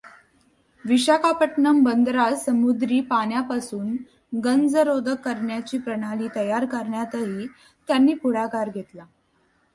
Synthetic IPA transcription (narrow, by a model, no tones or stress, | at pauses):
ʋiɕakapəʈɳəmbənd̪ɾasəmud̪ɾiːpaɳjapasuːn | ɡənd͡zəɾod̪ʱəkːəɾɳjat͡ɕiːpɾəɽ̃aliːt̪əjaɾkəɾɳjat̪əɦiː | t̪janːiːpuɽ̤akaɾɡʱet̪la